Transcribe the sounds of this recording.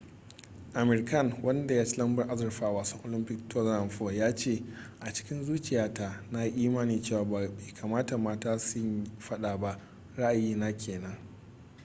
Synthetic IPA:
ʔa˨mɛ˨rkɐ˦˨ŋwʔɐ˦nda˨jaː˦t͡ʃi˦lɐ˦mbɐ˦˨rʔa˦zɐ˨rɸaː˦a˨waː˨sɔ˦ŋʔo˨lɪ˦mpɪ˦k̚to˦za˨mɸo˦˨jaː˦t͡ʃeː˦˨ | ʔa˨t͡ʃɪ̥˦kʲɪ˦nzuː˦t͡ʃɪ˨jaː˦ta˨na˦i˦ʔiː˦maː˦niː˨t͡ʃeː˦˨waː˨ba˨beː˨kʰaː˨maː˦ta˨maː˦taː˦sʊ˦ɲɸɐ˦ɗaː˨ba˦ʔ | ɾa˦ʔa˨jiː˦naː˦kʲʰeː˨nɐ˦ŋ

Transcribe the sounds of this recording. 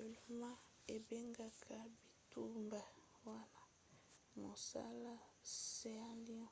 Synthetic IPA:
o˨lo˨˦ma˦ | e˨be˦ŋɡa˦kʰa˨bi˨tu˦mba˨ | wa˦na˦ | mo˨sa̰˦la˦se˦a˦li˦ɔ̃˦

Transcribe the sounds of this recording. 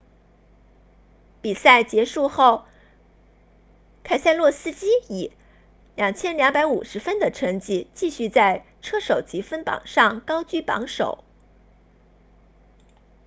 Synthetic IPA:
pi˨˩sa˥˩ɪt͡ɕjɛ˧˥ʂu˥˧xo˥˩ʊ | kʰa˥˩ɪsa˥˧ɪlwɔ˥˩sɹ̩˥˧t͡ɕi˥i˨˩ | ljɑ˨˩ŋt͡ɕʰjɛ˥nljɑ˧˥ŋpa˧˥ɪu˨˩ʂɻ̩˧˥fə˥nd̪ə˨ʈ͡ʂʰɤ˧˥ŋt͡ɕi˧˥t͡ɕi˥˧ɕy˥˧t͡sa˥˧ɪ | ʈ͡ʂʰɤ˥ʂo˨˩ʊt͡ɕi˧˥fə˥npɑ̰˨˩ŋʂɑ˥˩ŋkɑ˥ʊt͡ɕy˥˩pɑ̰˧˥ŋʂo̰˨˩˦ʊ

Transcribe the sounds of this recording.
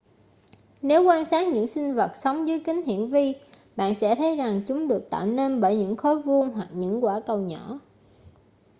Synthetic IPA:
ne˨˦wkwaː˧nsaː˦˥t̚ɲɨ̰˧˥ŋsï˧ŋ̟və˨˩t̚sə˨˦wŋ͡mzəː˨˦jkï˨˦ŋ̟hḭ˧˨ənvi˧ | ɓa̰ː˧˨nsɛ̰˧˥t̪ʰə˨˦jza˨˩ŋt͡ɕʊ˨˦ŋ͡mɗɨ˨˩ək̚t̪a̰ː˧˨wne˧nɓəː˧˩jɲɨ̰˧˥ŋxo˨˦jvu˧ənɦwa˨˩k̚ɲɨ̰˧˥ŋkwaː˧˩kə˨˩wɲɔ˧˩˥

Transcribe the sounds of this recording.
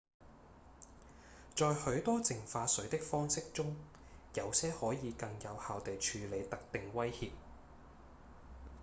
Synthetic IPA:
t͡ʃɔː˨jhɵ˨˥ɥt̪ɔː˥t͡sɪ˨˩ŋfaː˧sɵ˨˥ɥt̪ɪ˥k̚fɔː˥ŋsɪ˥k̚t͡ʃʊ˥ŋ | jɐ˨˧wsɛː˥hɔː˨˥jiː˨˧kɐ˧ŋjɐ˨˧whaː˨wt̪e˨˩jt͡ʃʰyː˨˧le˨˧jt̪ɐ˨˥k̚t̪ɪ˨ŋwɐ˥jhiː˧p̚

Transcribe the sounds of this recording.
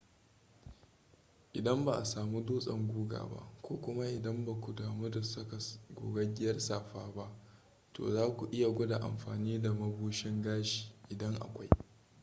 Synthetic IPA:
ʔɪ˨dɐ˦mba˨ʔa˨saː˨mu˦duː˦sʼɐ˦˨ŋɡʷuː˦ɡa̰ː˨ba̰˦ʔkʷoː˦kʷʊ˦ma˦ʔɪ˨dɐ˦mba˨kʷu˨daː˨mu˦da˨sɐ˦ka˨ɡʷoː˨ɡɐ˦ɡʲɪ˦jɐ˦rsaː˨ɸaː˦ba˦ʔ | to̰ː˨zaː˦kʷu˨ʔɪ˦ja˨ɡʷʊ˦da˨ʔa̰˨mɸaː˨niː˦da˨mɐ˦buː˦ʃɪ˦ŋɡaː˦ʃi̥ː˨ʔɪ˨dɐ˦ŋʔa̰˨kʷa˦j

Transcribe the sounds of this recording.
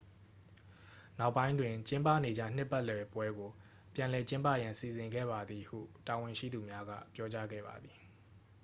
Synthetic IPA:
na˦ʊʔpːã˦ɪ̃ndwɪ̃˨t͡ɕɪ̃˦mpa̰˦˨ne˨d͡ʑä̰˦˨n̥ɪ˦pːa˦ʔlɛ˨pwɛ˦ɡo˨ | pjã˨lɛ˨t͡ɕɪ̃˦mpä̰˦˨jã˨nsi˨zɪ̃˨ŋɡɛ̰˦˨ba˨d̪ði˨hṵ˦˨ta˨wɪ̃˨ʃḭ˦˨d̪u˨mja˦ɡä̰˦˨pjɔ˦t͡ɕa˦ɡɛ̰˦˨ba̰˨d̪ði˨

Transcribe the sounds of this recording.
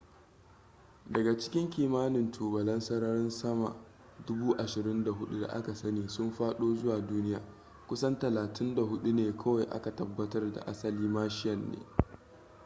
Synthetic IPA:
dɐ˨ɡa˨t͡ʃɪ̥˦kʲɪ˦ŋkʲiː˨maː˦nɪ˨ntʰuː˨bɐ˨lɐ˦nsɐ˦ɽaː˦ɾɪ˦nsɐ˦ma̰˨ | dʊ˦buː˦ʔa˨ʃɪ˨ɾɪ˦nda˨ɦʊ˦ɗu˦da̰˨ʔa̰˦ka˨sɐ˦neː˨sʊ˦mɸaː˦ɗoː˦zʊ˦waː˨duː˦nɪ˦ja̰ː˨ | kʷʊ˦sɐ˦ntɐ˨laː˨tʰɪ˦nda˨ɦʊ˦ɗu˦neː˨kʰɐ˦wa˨jʔa̰˦ka˨tɐ˨bːɐ˦tɐ˦rda̰˨ʔa˦sɐ˨liː˦maː˦ʃɪ˦jɐ˨nːḛː˦

